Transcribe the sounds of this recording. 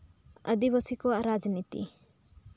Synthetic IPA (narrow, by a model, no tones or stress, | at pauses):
əd̪ibəsikɔaɾad͡ʒənit̪ḭ